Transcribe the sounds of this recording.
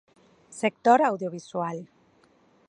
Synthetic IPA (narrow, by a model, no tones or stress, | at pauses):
sek̚t̪oɾawðjoβ̞iswal